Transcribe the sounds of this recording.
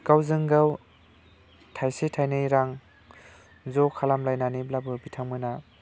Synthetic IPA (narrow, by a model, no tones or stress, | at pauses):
kawzɯŋɡaw | tʰajsetʰajnɯjɾaŋ | zɔkʰalamlajnaniblabɯbitʰaŋmɯna